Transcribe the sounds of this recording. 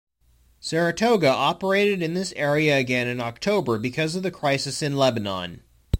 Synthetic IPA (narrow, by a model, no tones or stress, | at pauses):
sɛɹɨtʰoʊɡɨʔɑpə˞eɪɾɨɾɨ̃nðɪsɛɹiɨːɡɛ̃nɨ̃nɑk̚tʰoʊbə˞bɨkʰʌzʌvðɨkʰɹ̥aɪsɨsɨ̃nlɛbɨnɑ̰̃n